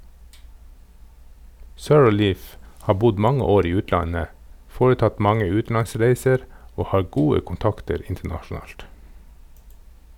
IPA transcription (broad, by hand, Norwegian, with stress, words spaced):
sœɹˈliːf ˈhɑː ˈbʊd ˈmɑŋə ˈoːɾ ˈiː ˈʉːtlɑnə ˈfoːɾəˌtɑt ˈmɑŋə ˈʉːtn̩lɑnˌsɾeɪsəɾ ˈoː ˈhɑː ˈɡuːə kʊnˈtɑktəɾ ˈɪntəɳɑʃn̩ˌɑːlt